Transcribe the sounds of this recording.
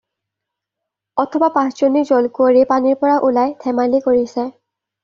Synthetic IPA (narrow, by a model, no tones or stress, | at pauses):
ɔtʰɔbapãszonizɔlkuoɹipaniɹpɔɹaʔulajtʰɛmalikoɹisɛ